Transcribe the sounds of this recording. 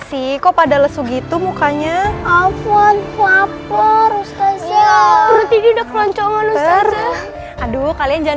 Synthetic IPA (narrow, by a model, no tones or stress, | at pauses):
sikopadaləsuɡit̪umukaɲaafɔnfaparust̪asiaɾut̪ididakəlɔɲt͡ʃɔmanusiara | adukaliand͡ʒa